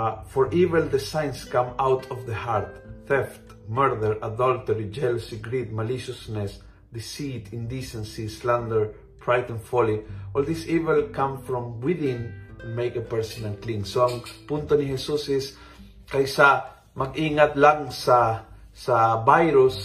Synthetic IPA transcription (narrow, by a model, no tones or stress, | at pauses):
fɔɹʔivɛld̪ɛsãjnskãmawt̪ʰɔvd̪ɐhaɹt̪̚θɛft̪ | mɛɹd̪ɛɹʔad̪ɔlt̪ɛɹid͡ʒɛlʊsiɡɹid̪̚maliʃʊsnɛs | d̪ɪsit̪ɪ̃nd̪isɛ̃nsislãnd̪ɛɹ | pɹajt̪ɔ̃nfɔliʔold̪isivɛlkãmfɹɔ̃mwɪðɪ̃nmejkɐpɛɹsɔ̃nɐ̃ŋklĩŋsoaŋpunt̪onɪhɛsusɪs | kajsa | mɐɡiːŋat̪laŋsɐ | sɐbajɾʊs